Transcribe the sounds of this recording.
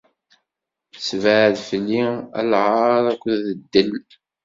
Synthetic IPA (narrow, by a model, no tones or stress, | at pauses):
svəʕðfəlːiæ̰lʕɑɾˤækʷːðəd̪ːəl